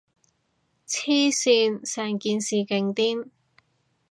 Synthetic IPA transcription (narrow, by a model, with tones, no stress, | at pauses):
t͡sʰiː˥siː˧nsɛː˨˩ŋkiː˧nsiː˨kɪ˧ŋt̪iː˥n